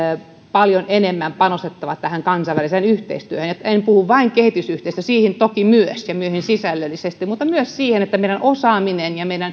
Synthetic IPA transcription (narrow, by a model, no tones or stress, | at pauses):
pɑljonenemːæmpɑnost̪et̪ːɑʋɑt̪t̪æhæŋkɑnsɑiʋæliseːnyht̪ḛist̪yøhønjot̪enpuhuʋʋɑiŋkehit̪ysyht̪eist̪øsiːhint̪okimyøsjɑmyøhinsisælːølːisest̪imut̪ːɑmyøssiːhenet̪ːæmeˑiɾænʔosɑːminenjɑmeiɾæn